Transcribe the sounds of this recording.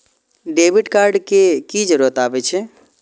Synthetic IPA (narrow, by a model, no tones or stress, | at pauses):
ɖebiʈkaɾɖkekid͡ʒəɾuɾət̪aːbɛt͡ʃʰɛ